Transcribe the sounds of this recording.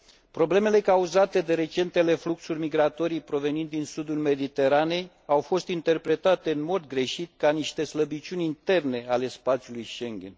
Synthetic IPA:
pɾo̞ble̞me̞le̞kauzat̪e̞d̪e̞ɾe̞t͡ʃe̞nt̪e̞le̞fluksurʲmiɡɾat̪o̞ɾijpɾo̞ve̞nint̪d̪insud̪ulme̞d̪it̪e̞ɾane̞j | awfo̞st̪int̪e̞rpɾe̞t̪at̪e̞ɨnmo̞d̪ɡɾe̞ʃit̪̚kaniʃt̪e̞sləbit͡ʃunʲint̪e̞rne̞ale̞spat̪sʲjulujʃe̞ŋɡʲḛn

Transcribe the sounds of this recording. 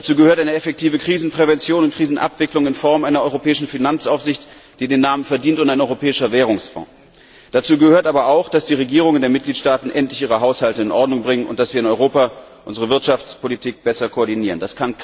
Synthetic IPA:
d̥at͡suːɡəhøːɐtʔaɪnəɛfɛk̚tʰiːvəkʁ̥iːzn̩pʁ̥ɛvɛnt͡sjoːnʊntkʁ̥iːzn̩ʔa̰pv̥ɪklʊŋɪnfɔɐmʔaɪnɐʔɔʏʁopɛːɪʃn̩finant͡sʔaʊfz̥ɪçt | d̥iːdeːnːaːmənfɛɐdiːntʊntaɪnʔɔʏʁopʰɛːɪʃɐvɛːʁʊŋsfɔ̰̃ː | d̥at͡suːɡəhøːɐtʔaːbɐaʊxd̥asd̥iːʁ̞eɡiːʁ̞ʊŋəndeːɐmɪt̚ɡ̥liːtʃtaːtn̩ʔɛntlɪçʔiːʁəɦaʊshaltəɪnʔɔɐdnʊŋbʁɪŋənʔʊ̰nt̚d̥asv̥iːɐɪnɔʏʁoːpa | ʔʊnzəʁəvɪɐtʃaft͡spʰolitʰiːk̚b̥ɛsɐkʰoɔɐdiniːʁ̞əndaskʰan

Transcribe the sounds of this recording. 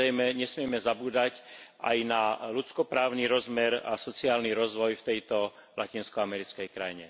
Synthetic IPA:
ɛjmɛɲɛsmɪɛmɛzabuːd̪acʔa̰jnalut͡skɔpɾaːʊniɾɔzmɛɾa̰sɔt͡siaːlniɾɔzʋɔjft̪ɛjt̪ɔ | lʔacinskɔamɛɾit͡skɛjkɾajɲɛ

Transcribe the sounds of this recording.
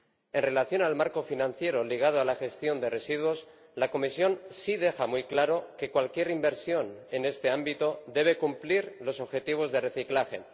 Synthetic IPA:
e̞nre̞laθjo̞nalmaɾko̞finãnθje̞ɾo̞liɣ̞að̞oalaxe̞st̪jo̞nd̪e̞re̞siðwo̞s | lako̞misjo̞nsið̞e̞xamujklaɾo̞ke̞kwalkje̞ɾimbe̞ɾsjo̞ne̞ne̞st̪e̞ambit̪o̞d̪e̞β̞e̞kumpliɾlo̞so̞βxe̞t̪iβ̞o̞zðe̞re̞θiklaxe̞̰

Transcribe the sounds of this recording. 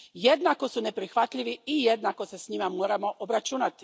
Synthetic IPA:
je̞d̪nako̞sune̞pɾixʋat̪ʎiʋiijed̪nako̞se̞sɲimamo̞ːɾamo̞ʔobɾat͡ʃuːnat̪i̥

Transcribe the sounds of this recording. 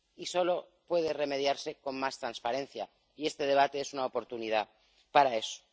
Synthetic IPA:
iso̞lo̞ | pwe̞ð̞e̞re̞me̞ð̞jaɾse̞ko̞mmast̪ɾanspaɾe̞nθja | ie̞st̪e̞ð̞e̞β̞at̪e̞esunaopo̞ɾt̪unið̞a | paɾae̞so̥

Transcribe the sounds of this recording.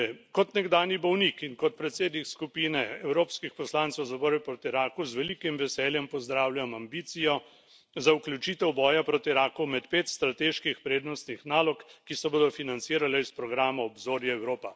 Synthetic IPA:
kɔt̪nɛɡd̪aːnjibɔwnikiŋkɔt̪̚pɾɛt̪seːd̪nikskupiːnɛɛwɾoːpskixpɔslaːnt̪sɛwzabɔːɾjɛpɾoːt̪iɾaːkuzʋɛlikimʋɛsɛːljɛmpɔzd̪ɾaːwljʲamambiːt̪sijɔ | zaukljut͡ʃiːt̪ɛwbɔːjapɾoːt̪iɾaːkumɛt̪peːt̪st̪ɾat̪eːʃkixpɾeːd̪nɔst̪nixnaːlɔkkːisɔboːd̪ɔfinant̪siːɾalɛispɾɔɡɾaːmaɔbzoːɾjaɛwɾoːpa

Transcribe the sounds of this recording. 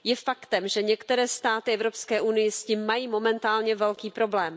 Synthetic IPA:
jɛfakt̪ɛmʒɛɲɛkt̪ɛɾɛːst̪aːt̪ɪʔɛvɾopskɛːʔunɪjɪsciːmːajiːmo̞mɛnt̪aːlɲɛvɛlkiːpɾo̞blɛːm

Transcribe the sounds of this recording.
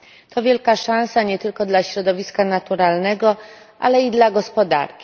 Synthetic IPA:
t̪ɔvʲjɛlkaʂãñsaɲɛt̪ɘlkɔd̪laɕɾɔd̪ɔvʲiskanat̪uɾalnɛɡɔ | ʔa̰lɛid̪laɡɔspɔd̪a̰ɾkʲi̥

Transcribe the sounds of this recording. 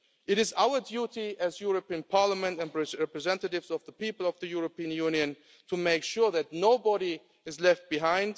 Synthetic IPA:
ʔɨɾɨzaʊə˞djuɾiʔzjʊɹəpiə̃npʰɑɹləmɨ̃ntɨ̃nɹɛɹɛpɹɨzɛ̃ntəɾɪvzʌvðəpipəl̩ˠʌvðɨjʊɹopiɨ̃njũnjɨ̃n | tʰumeɪkʃʊɹðɨtⁿnoʊbɔɾi | ɨzlɛft̚b̥ɨɦãɪ̃nd

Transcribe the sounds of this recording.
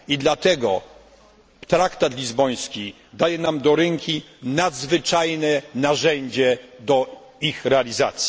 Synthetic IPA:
id̪lat̪ɛɡɔ | t̪ɾakt̪at̪lʲizbɔj̃skʲi | d̪ajɛnamd̪ɔɾɛŋkʲinad̪zvɘt͡ʂajnɛnaʐɛɲd͡ʑɛd̪ɔ | ixɾɛalʲizat̪sʲji

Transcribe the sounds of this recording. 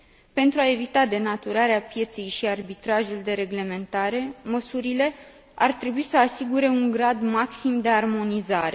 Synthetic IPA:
pe̞nt̪ɾuae̞vit̪ad̪e̞nat̪uɾaɾeapje̞t̪se̞jʃiarbit̪ɾaʒuld̪e̞ɾe̞ɡle̞me̞nt̪aɾe̞məsuɾile̞ | art̪ɾe̞buisəasiɡuɾe̞uŋɡɾad̪maksimd̪e̞armo̞nizaɾe̞

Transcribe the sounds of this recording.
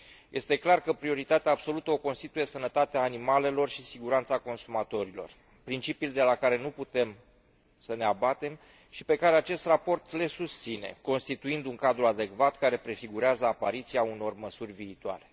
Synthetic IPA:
jʔe̞st̪e̞klarkəpɾio̞ɾit̪at̪eaːbso̞lut̪əo̞ko̞nst̪it̪uje̞sənət̪at̪eaːnimale̞lo̞rʃisiɡuɾant̪sako̞nsumat̪o̞ɾilo̞̰r | pɾint͡ʃipild̪e̞lakaɾe̞nuput̪e̞m | səne̞abat̪e̞m | ʃipe̞kaɾe̞at͡ʃe̞st̪rapo̞rt̪le̞sust̪sine̞̰ko̞nst̪it̪uind̪uŋkad̪ɾuad̪e̞kvat̪kaɾe̞pɾe̞fiɡuɾeazəapaɾit̪siauno̞rməsurʲviːt̪oa̰ɾe̞̥

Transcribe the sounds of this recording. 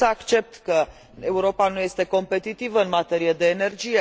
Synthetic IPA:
əakt͡ʃe̞p̚t̪kə | e̞uɾo̞panuje̞st̪e̞ko̞mpe̞t̪it̪ivəɨnmat̪e̞ɾijed̪e̞ːne̞rd͡ʒije̞

